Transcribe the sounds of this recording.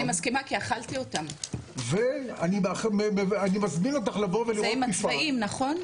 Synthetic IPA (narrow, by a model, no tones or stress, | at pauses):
imaskimakiaχalt̪io̞t̪amveanimaχmeeanimazmino̞t̪aχlaboveliʁaimaifaimnaχo̞n